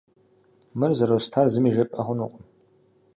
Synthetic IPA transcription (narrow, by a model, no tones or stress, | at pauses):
mɨrzɐɾɐwstʰarzɨmiʒɐpʼɐχʷʊnuqʷʼɔm